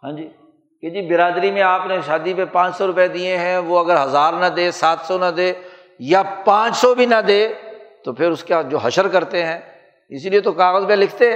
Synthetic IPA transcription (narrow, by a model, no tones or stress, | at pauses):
ɦãːd͡ʒiː | ked͡ʒiːbɪɾaːd̪ɾimẽaːpneʃaːd̪ipepãːt͡ʃsɔɾʊped̪ieɦɛ̃ʋoɐɡəɾɦɐzaːɾnɐd̪eːsaːt̪sɔnɐd̪eː | japãːt͡ʃsɔbʱinɐd̪eːt̪opʰɪɾʊskad͡ʒoːɦɐʃəɾkɐɾt̪eɦɛ̃ː | ɪsliet̪okaːɣəzbelɪkʰt̪eɦɛ̃